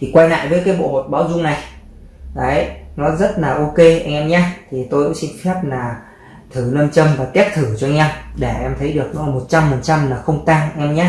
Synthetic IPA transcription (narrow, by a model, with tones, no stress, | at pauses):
t̪ʰi˨˩kwaː˧jŋa̰ː˧˨jvəː˨˦jkaː˨˦jɓo̰˧˨ho˨˩t̚ɓaː˨˦wzʊ˧ŋ͡mna˨˩j | a˨˦jnɔ˨˦zə˦˥t̚laː˨˩ʔo˧ke˧ʔa˧jŋʔɛ˧mɲaː˨˦t̪ʰi˨˩t̪o˧jkṵ˧˥ŋ͡msi˧nfɛ˦˥p̚laː˨˩ | t̪ʰɨ˧˩nəː˧mt͡ɕə˧mvaː˨˩t̪i˦˥p̚t̪ʰɨ˧˩t͡ɕɔ˧jŋ̟ʔɛ˧mɗe˧˩ʔɛ˧mt̪ʰə˨˦jɗɨ˨˩ək̚nɔ˨˦laː˨˩mo˨˩t̚t͡ɕa˧mfa˨˩nt͡ɕa˧mlaː˨˩xə˧wŋ͡mt̪aː˧ŋʔa˧jŋ̟ʔɛ˧mɲaː˧˦